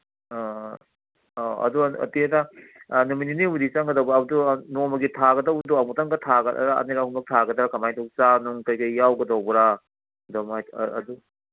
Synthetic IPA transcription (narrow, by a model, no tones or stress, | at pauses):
ɐ̰duɐ̰tietanumininiudisaŋɡɐdɐwbɾːbdunomɐɡitʰaɡɐdɐwbduamutaŋɡɐtʰaɡɐ̰ɾaɐ̰niɾahumbɐk̚tʰaɡɐdɐɾakɐmajtʰok̚t͡ʃanuŋkɐjkajːawɡɐdɐwbɐɾa | domajɐ̰du